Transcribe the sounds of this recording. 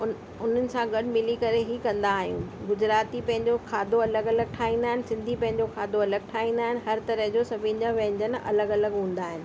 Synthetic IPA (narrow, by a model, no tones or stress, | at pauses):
ʊn̤ənɪ̆sãɡɐɖɪ̆mɪlikɐɾeɦikɐ̃nd̪aːɦijũːɡʊd͡ʑɾaːt̪ipɐ̃ɦɪ̃ɲd͡ʑokʰaːd̪oɐləɡɐləɡ̚ʈʰaːĩːnd̪aːɦɪnɪsɪ̃nd̪ʱipɐ̃ɦɪ̃ɲ̆d͡ʑokʰaːd̪oɐləɡ̚ʈʰaːɦĩːn̆d̪aːɦɪnɪ̆ɦɐɾt̪ɐɾəɦd͡ʑosɐbʱind͡ʑaʋɛ̃ɦɪ̃ɲd͡ʑənɪʔɐ̰ləɡɐləɡɦũːn̆d̪aːɦɪnɪ̆